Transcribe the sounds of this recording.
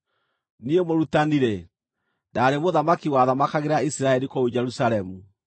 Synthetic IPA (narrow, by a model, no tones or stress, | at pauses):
niemoɾutaniɾe | daːɾemoðamakiwaðamakaɣeɾaisiɾaɛɾikoud͡ʒɛɾusaɾɛmu